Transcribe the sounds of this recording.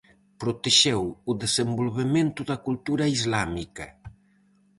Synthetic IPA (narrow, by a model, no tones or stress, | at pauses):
pɾot̪eʃɛwuðezembolβemẽnt̪ʊðɐkult̪uɾɐizlamikɐ